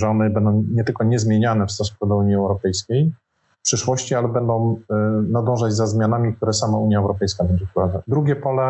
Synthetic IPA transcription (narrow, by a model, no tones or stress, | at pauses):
ʐɔnɘbɛnd̪ɔ̃w̃ɲɛt̪ɘlkɔɲɛzmʲjeɲanɛfst̪ɔsu̥kɔd̪ɔuɲiɛwɾɔpɛjskʲej | pʂɘʂwɔɕt͡ɕialɛbɛnd̪ɔ̃w̃nad̪ɔ̃w̃ʐad͡ʑzazmʲjanamʲik̚t̪uɾɛsamauɲjaɛwɾɔpɛjskabɛɲd͡ʑɛpɾɔvazad̪ɾuɡʲɛpɔlɛ